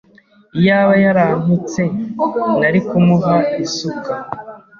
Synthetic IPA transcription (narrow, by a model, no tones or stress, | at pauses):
ijaːβajaɾamut͡se̞naɾikumuɦaisukʰa